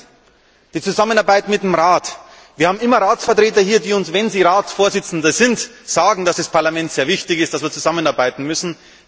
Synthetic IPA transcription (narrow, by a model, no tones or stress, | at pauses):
d̥iːt͡suzamənaɐbaɪtmɪt̚d̥eːmʁaːt | v̥iːɐhaːbm̩ɪmɐʁaːt͡sfɛɐtʁ̥eːtɐhiːɐdiːʊnsvɛnziːʁaːt͡sfoːɐzɪt͡sn̩dɐzɪntz̥aːɡŋ̩d̥asd̥aspʰaɐlamɛntz̥eːɐvɪçtɪçɪstd̥asv̥iːɐt͡suzamənaɐbaɪtn̩mʏsn̩